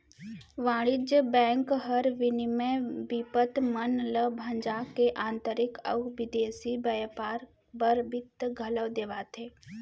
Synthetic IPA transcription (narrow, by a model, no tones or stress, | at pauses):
ʋãːɽɪd͡ʒəbɛ̃ːŋkɦəɾʋɪnimẽʋipət̪mənləbʱə̃ɲd͡ʒakeʔãːnt̪əɾɪkə̰ʋɪd̪eːsibɐjpaːɾ | bəɾbɪt̪ɡʱələʋd̪eːʋaːt̪ʰeː